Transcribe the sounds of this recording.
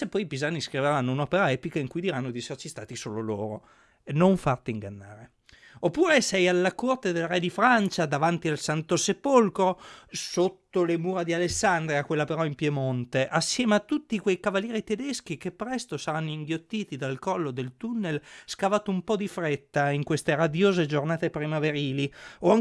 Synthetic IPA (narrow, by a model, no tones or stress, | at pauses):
sepːɔjipizanːiskɾiveɾanːounɔpeɾaɛːpikaiŋkujd̪iɾanːod̪iɛsːert͡ʃist̪aːt̪isoːloloːɾo̰ | noɱfart̪iŋɡanːa̰ːɾe | opːuːɾesɛjalːakort̪ed̪elrɛd̪ifɾant͡ʃad̪avant̪ialsant̪osepolkɾosot̪ːolemuːɾad̪ialesːand̪ɾiakwelːapeɾɔimpjemont̪eʔasːjɛːmeat̪ːut̪ːikwejkavaljɛːɾit̪ed̪esk̟ik̟epːɾɛst̪osaɾanːoiŋɡjot̪ːiːt̪id̪alkɔlːod̪elt̪unːelskavaːt̪oumpɔd̪ifɾet̪ːaiŋkwest̪eɾad̪joːzed͡ʒornaːt̪epɾimaveɾiːlioaŋ